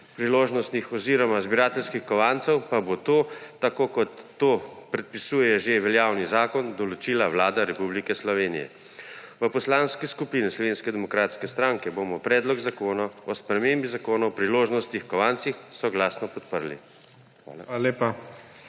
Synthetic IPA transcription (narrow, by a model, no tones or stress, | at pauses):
pɾiloːʒnɔst̪nixɔziɾɔmazbiɾaːt̪ɛlskixkɔʋant̪sɛwpabot̪oːt̪akoːkɔt̪ːoːpɾɛt̪̚pisuːjɛʒeʋɛljaːwnizaːkɔnd̪ɔlɔt͡ʃiːlaʋlaːd̪aɾɛpublikɛslɔʋeːnijɛ̰ | ʋəpɔslaːnskiskupiːnislɔʋeːnskɛd̪ɛmɔkɾaːt̪skɛst̪ɾaːŋkɛbomɔpɾɛːd̪lɔɡzakoːnaɔspɾɛmeːmbizakoːnawpɾiloːʒnɔst̪nixkɔʋant̪sixsɔɡlaːsnɔpɔt̪̚pəɾlḭ | a̰a̰lepa